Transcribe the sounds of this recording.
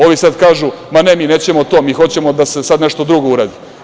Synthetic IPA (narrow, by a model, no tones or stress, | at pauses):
o̞ʋisad̪kaːʒumane̞miːne̞ːt͡ɕe̞mot̪o̞ːmiːxo̞t͡ɕe̞mod̪ase̞sad̪neʃt̪od̪ɾuɡo̞uɾaːd̪i